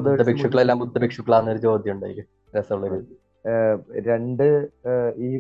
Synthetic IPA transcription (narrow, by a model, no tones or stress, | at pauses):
d̪ːɐbekʂɐkːɐɭelːaːmbutd̪ːɐbekʂɐkːɐɭaːnːɐoɾut͡ɕo̞ːd̪ʱjɐmuɳɖa̰ːjikʲːɨ | ɾesɐuɭːɐɾi | ɾe̞ɳɖɨ | iː